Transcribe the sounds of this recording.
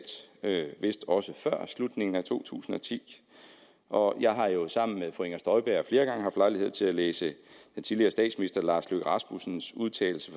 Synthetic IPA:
d̥øʋe̝sd̥ɒ̽səfɶɐ̰slud̥ne̝ŋn̩æt͡sʰo̝̰ːt͡sʰṵːsn̩ɒ̽t͡sʰḭː | ʔɒ̽jɑ̈ɪɦɑ̈jo̝sɑ̈m̰n̩meðˠfoeŋɐsd̥ɒ̽ɪb̥æɐ̰fle̝ːɐɡ̥ɑ̈ŋəɦɑfd̥lɑ̈ɪlihe̝ð̞̰ˠt͡sʰe̝læleːsəd̥ent͡sʰiðˠliɐːsd̥ɛ̰ːd̥sminisd̥ɐlɑ̈ːsløɡ̥ʁɑ̈sm̥usn̩suðˠt͡sʰɛ̰ːl̩sə

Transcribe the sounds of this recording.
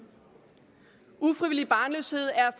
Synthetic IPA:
ufʁiʋilib̥ɑ̈ːnløshe̝ð̞̰ˠæɐf

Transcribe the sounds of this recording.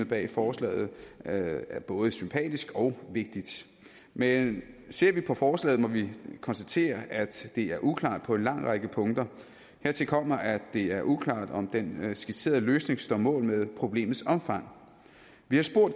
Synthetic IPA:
b̥ɛ̰ːfɒːslɛ̰ːð̞̩ˠ | æɐb̥ɔ̽ːð̞ˠəsympʰɛ̰ːd̥isɡ̥ɒ̽ʊʋe̝ɡ̥̚d̥id̥ | mense̝ɐ̰ʋipʰɒ̽fɒːslɛ̰ːð̩ˠmɒ̽ʋikʰɒ̽nsd̥æt͡sʰe̝̰ːɐʔæd̥ːe̝æɐʔukʰlɑ̰̈ːd̥pʰɒ̽e̝nlɑ̈ŋ̰ʁɑɡ̥əpʰɔ̽ŋd̥ɐ | he̝ɐ̰t͡sʰe̝lkʰɒ̽m̰ɐʔæd̥e̝æɐʔukʰlɑ̰̈ːd̥ɒ̽md̥ensɡ̥i̥se̝̰ːɐðˠløːsne̝ŋsd̥ɒmɔ̰̽ːlmeðˠpʰʁo̝b̥le̝̰ːmð̩ˠsɒ̽mfɑ̈ŋ̰ | ʋihɑ̈sb̥o̝ɐ̰d̥

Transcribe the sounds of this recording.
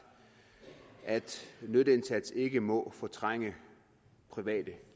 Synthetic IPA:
ʔæd̥nødəe̝nsæd̥se̝ɡ̥əmɒ̽fɒt͡sʰʁaŋ̰ə | pʰʁiʋɛ̰ːd̥ə

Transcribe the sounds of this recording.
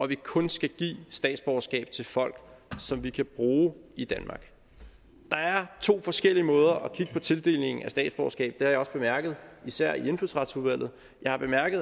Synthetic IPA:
ʔɒ̽ʋikʰɔ̽nsɡ̥æɡ̥ḭːsd̥ɛ̰ːd̥sb̥ɒʊɐsɡ̥ɛ̰ːb̥t͡sʰe̝lfɒ̽l̰ɡ̥sɒ̽mʋikʰæb̥ʁuːid̥ænmɑ̰̈ːɡ̥ | d̥ɑ̈æɐt͡sʰo̝̰ːfɒ̽sɡ̥el̰iəmɔ̽ːð̞ˠɐʔɒ̽kʰiɡ̥əpʰɒ̽t͡sʰe̝ld̥e̝̰ːlne̝ŋŋ̩æsd̥ɛ̰ːdsb̥ɒʊɐsɡ̥ɛ̰ːb̥̚d̥e̝hɑ̈jɒ̽sb̥e̝mæɐɡ̥ð̞̩ˠisæɐ̰ie̝nfyðˠsʁɑ̈d̥suðˠʋæl̰ð̩ˠ | jɑ̈ɪhɑ̈b̥e̝mæɐɡ̥əð̩ˠ

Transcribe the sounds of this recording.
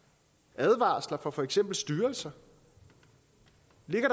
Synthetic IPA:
ʔæð̞ˠʋɑ̰̈ːslɐfɒ̽fɒ̽eɡ̥sem̰b̥l̩sd̥yːɐlsɐ | le̝ɡ̥ɐɾ̥ɑ

